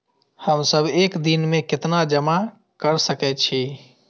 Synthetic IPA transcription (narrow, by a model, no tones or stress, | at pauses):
həmsəbʱekd̪inmẽkɪt̪nad͡ʒəma | kəɾsəkɛt̪̚t͡ʃʰi